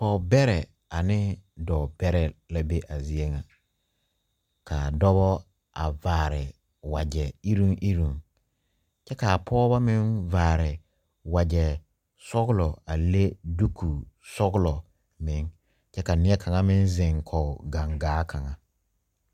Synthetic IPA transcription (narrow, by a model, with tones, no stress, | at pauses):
pɔ˨bɛ˦ɾɛ˨ | a˨nɪ˦dɔː˨b̥ɛ˦ɾɛ˨la˦be˦ʔa˨zi˨e˦ŋa˨ | kʰa˨dɔ˦bɔ˦ | ʔa̰˨vaː˨ɾɪ˨ | wa˨d͡ʒɛ˨i˦ɾũ˦ŋʔi˦ɾũ˨ŋ | t͡ʃɛ˦ka˨pʰɔː˦ba˦mɪ̃˦nvaː˨ɾɪ˨ | wa˨d͡ʒɛ˨ | sɔ˦ɣʊ˦lɔ˨a˨le˦du˦kʰu˨sɔ˦ɡʊ˦lɔ˨ | mɪ̃˨˦ŋ | t͡ʃɛ˦ka˨nɪ˦ɛ˦kʰa˨ŋa˦mɪ̃˦nzɪ̃˨ŋkʰɔ˨ɡã˨ŋɡaː˨˦kʰa˨ŋa˨